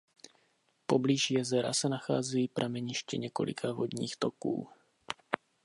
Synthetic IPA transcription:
po̞bliːʒjɛzɛɾa̰sɛnaxa̰ːzɛjipɾʔamɛɲɪʃcɛɲɛko̞̰lʔɪ̰kʰavod̪ɲḭːxt̪okṵː

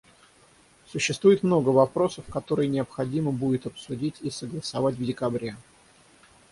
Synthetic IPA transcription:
sʊɕːɪst̪vujɪt̪mno̞ɡəvɐpɾo̞səfkɐt̪o̞ɾɨjnʲɪəpxɐdʲiməbudʲɪt̪ɐpsʊdʲitʲisəɡlˠəsɐvatʲvdʲɪkɐbɾʲe

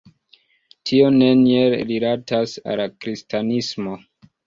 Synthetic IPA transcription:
tʰio̞ne̞nieɾilatasa̰lakɾistanismo̞

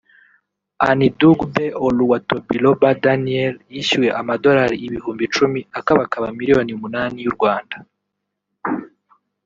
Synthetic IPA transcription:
aniduɡbeoluwatobilobadanieljiʃiweʔamado̞ɾaɾiʔiβihuːmbit͡ʃumiakaβakaβamiɾijo̞niumunaːnijuɾɡwaːnda

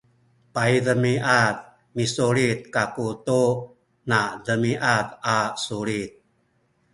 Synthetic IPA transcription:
pajdəmiʔat̪̚ | misoɭit̪̚kakut̪o | naʔdəmiʔat̪asoɭit̪̚

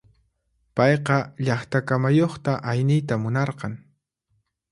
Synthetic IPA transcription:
pɑjqɑʎɑχt̪akamajoχt̪aʔajnɪjt̪amʊnɑɾqɑŋ

